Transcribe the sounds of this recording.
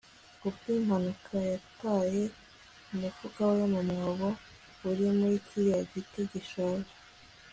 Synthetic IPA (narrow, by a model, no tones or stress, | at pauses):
ubɡim̥hanukʰajataːje | umufuɡawajamamŋoβo | uɾimuɾikʰiɾaɟitiɟiʃaːʒe̥